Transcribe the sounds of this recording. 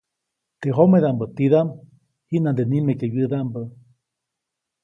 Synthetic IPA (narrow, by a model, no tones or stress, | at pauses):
t̪eɦomeðambət̪iðam | hinand̪enimekejɨðaʔmbə